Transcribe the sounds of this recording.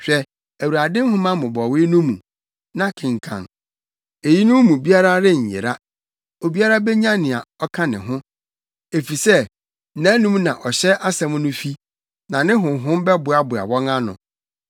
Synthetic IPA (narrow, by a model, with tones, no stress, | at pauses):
ɕᶣɛ˨ | æ˨wu˨ɾa˨dɪ̃˦m˦hʊ̃˦mã˦mʊ̃˨bɔ˨wɪ˦nũ˦mṵ̃˨ | nã˦kʰɪ̃˨ŋ˨kʰã̰˨n | e˨ji˦nũ˦mũ˨bi˦a˦ɾa˦ɾɪ˦˨ɲ̩˨jḛ˨ɾa˦ | o˨bi˦a˦ɾa˦bɛ˦ɲã˦nɪ̃˨a˨ɔ˦kʰã˦nɪ̃˨ɦʊ̃˦ | e˨fi˨sɛ˦ | nã˦nũ˦m˦nã˨ʔɔ˨ɕɛ˦ʔa˦sɛ̃˦m˦nʊ̃˦fi˦ | nã˨nɪ̃˦ɦʊ̃˨ɦʊ̃˦mbɛ˦bʊ˨a˦bʊ˨a̰˨wɔ̃˦ŋã˦nʊ̰̃˨